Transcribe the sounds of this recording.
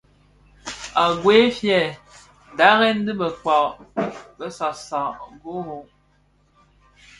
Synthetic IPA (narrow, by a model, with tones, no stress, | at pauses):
a˨ɡwe˨˦fjɛ˨ | da˦ɣɛ˦n̩˦dɨ˦bə˨k͡pa˨ʔbə˦sa˨sa˨ʔɡo˦ɣo˨ʔ